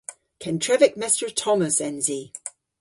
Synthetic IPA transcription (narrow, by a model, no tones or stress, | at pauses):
kʰɛ̃ntʰɹ̥ɛvɪk̚mɛstəɹtʰɒməsɛ̃nzi